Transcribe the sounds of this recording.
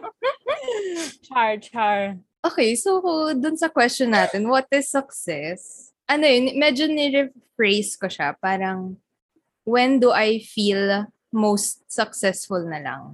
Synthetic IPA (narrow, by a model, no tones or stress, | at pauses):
t͡ʃaɹt͡ʃaɹ | ʔoːkɛjsod̪ʊnsɐkwɛst͡ʃɔnːaːt̪ɛnwɐt̪̚ɪsɐksɛs | ʔɐnojonmɛd͡ʒonɛɹɛ | fɹejskoʃapaːɾɐŋ | wɛnd̪ʊʔajfil | mowst̪̚sɐksɛsfʊlnɐlɐ̰ŋ